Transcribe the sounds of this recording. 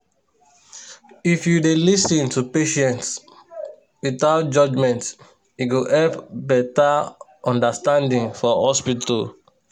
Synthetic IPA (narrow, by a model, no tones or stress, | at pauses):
ifjudelisə̃ntupeʃɛ̃nts | wiθaʊt̚d͡ʒʌd͡ʒmɛ̃nt | iwɡuʔɛpbɛta | ʔɔ̃ndəstãndĩŋfɔhɔspitʰə